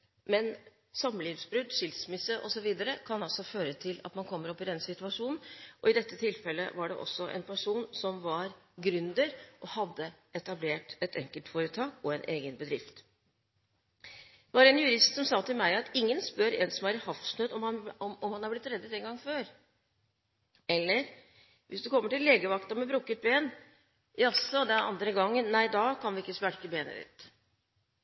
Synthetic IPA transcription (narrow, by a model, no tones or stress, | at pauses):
mɛn | sɑməliːʋsbɾʉd̪ʂɪlsmɪsəʔɔ̰sɔʋiːd̪əɾəkʰɑnɑlsɔføːɾət̪ʰɪlɑ̰t̪mɑnkʰɔmːəɾɔpːɪd̪ɛnsɪt̪ʉɑʂuːnn̩ʔɔɪd̪ɛt̪ːət̪ʰɪlfɛlːə̰ʋɑɖɛ̰ʔɔ̰sːɔʔɛ̰npʰæʂuːnsɔmʋɑɾɡɾʉnd̪əɾʔɔhɑd̪ːə | ɛt̪ɑbleːʈɛt̪ʰɛŋkəlt̪foːɾət̪ʰɑːkɔɛnʔeːɡənbəd̪ɾɪft̪ | d̪ʋɑɾɛnjʉɾɪst̪sɔmsɑːt̪ʰɪlmæɪɑt̪ɪŋːənspœɾɛ̰nsɔmæɾɪhɑfsnøːd̪ɔɑɔmɔmhɑnhɑɾblɪt̪ɾɛd̪ːət̪ɛŋɡɑŋːføːɾ | ɛlːəɾ | ʋʔɪsd̪ʉkʰɔmːəʈɪlːeːɡəʋɑkt̪ɑmɛbɾuːkət̪̚beːn | jɑsɔd̪ɛnɑ̰nd̪ɾəɡɑŋːənːæɪd̪ɑːkʰɑnʋɪɪkːəspæɽkəbeːnə̰d̪ɪ̰t̪